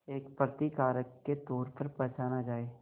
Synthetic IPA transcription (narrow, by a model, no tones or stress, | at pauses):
eːkpɾət̪ikaːɾəkːet̪ɔːɾpɐɾpɛːt͡ʃaːnad͡ʒaːeː